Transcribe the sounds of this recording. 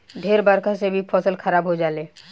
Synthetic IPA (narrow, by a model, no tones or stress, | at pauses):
ɖʱeːɾbaːɾkasebʱipʰɔːsəlkʰəɾaːbɦod͡ʒaːleː